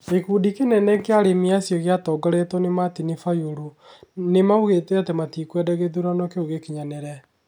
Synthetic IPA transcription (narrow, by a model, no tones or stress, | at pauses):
ekuːdikenɛnɛkeaɾemiasjɔɣjatɔːɡaɾetɔnematinifajoɾo | nemauɣetɛatɛmatikwɛdɛɣeðuɾanɔkeoɣekiɲanɛɾɛ